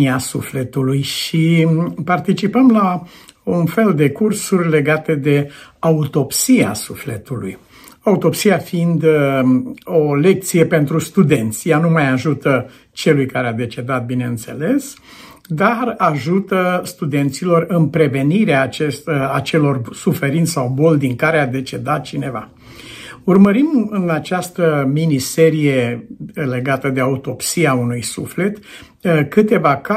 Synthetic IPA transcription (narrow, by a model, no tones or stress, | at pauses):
iasufle̞t̪ulujʃipart̪it͡ʃipəmlaunfe̞ld̪e̞kursurʲle̞ɡat̪e̞d̪e̞aut̪o̞psia̰sufle̞t̪ulṵj | aut̪o̞psiafiind̪ | o̞le̞k̚t̪sije̞pe̞nt̪ɾust̪ud̪e̞nt̪sʲjanumajaʒut̪ə | t͡ʃe̞lujkaɾead̪e̞t͡ʃe̞d̪at̪̚bine̞ɨnt̪se̞le̞s | d̪araʒut̪əst̪ud̪e̞nt̪silo̞rɨnpɾe̞ve̞niɾeaːt͡ʃest̪əat͡ʃe̞lo̞rsufe̞ɾint̪ʲsawbo̞ld̪iŋkaɾead̪e̞t͡ʃe̞d̪at̪̚t͡ʃine̞va | urməɾimɨnat͡ʃast̪əminise̞ɾije̞le̞ɡat̪əd̪e̞aut̪o̞psiaunujsufle̞t̪ | kɨt̪e̞vaka